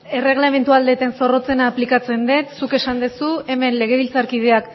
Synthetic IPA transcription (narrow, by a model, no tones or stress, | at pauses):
e̞re̞ɣ̞lame̞nt̪uald̪e̞t̪e̞nso̞ro̞t͡se̞naːplikat͡se̞nd̪et̪suke̞sand̪esue̞me̞nle̞ɣ̞e̞βilt͡saɾkið̞e̞ak